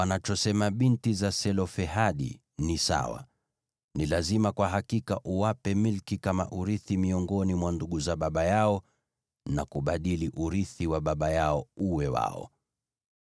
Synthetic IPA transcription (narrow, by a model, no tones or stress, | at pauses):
wanat͡ʃɔsɛmaɓintizasɛlɔfɛɦaɗḭ | nisa̰wa̰ | nilazimakwaɦakikaʔuwapɛmilkikama̰ʔuɾiθimiɔŋɡɔnimwanduɠuzaɓaɓajaɔ | nakuɓaɗiliʔuɾiθiwaɓaɓajaɔuwɛwa̰ɔ̰